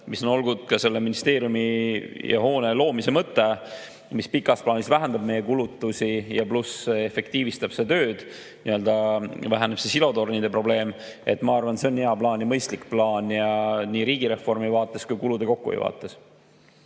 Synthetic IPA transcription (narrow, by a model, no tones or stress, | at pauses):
miso̞no̞lɡud̪̥̚kɑse̞lːe̞minist̪e̞ːɾjumijʔɑ̰ho̞ːne̞lo̞ːmise̞mɤt̪ˑːe̞ | mispikːˑɑsplɑːnisvæɦænd̪ɑb̥̚me̞jekulut̪ːˑusijɑplusefe̞kt̪iːvist̪ɑb̥se̞t̪ø̞ːd̪̥ | niø̞ld̪̥ɑvæɦæneb̥se̞silo̞t̪o̞rnid̪̥e̞pro̞ble̞ːme̞t̪ːˑmɑɑrvɑnseo̞nːeɑplɑːnɑmɤjst̪likplɑːnjɑniːɾiːɡ̥iɾe̞fo̞rmivɑːt̪ːˑe̞skujkulud̪̥e̞ko̞kːṵvḛjvɑ̰ːt̪ːˑe̞s